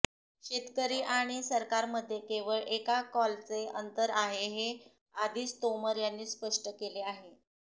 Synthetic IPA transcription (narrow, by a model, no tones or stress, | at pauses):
ɕet̪kəɾiːʔaɽ̃isəɾkaɾməd̪ʱːjekeʋəɭʔekakɔlt͡seənt̪əɾaɦeɦe | ad̪ʱiːst̪oməɾjanːiːspəʂʈəkeleaɦe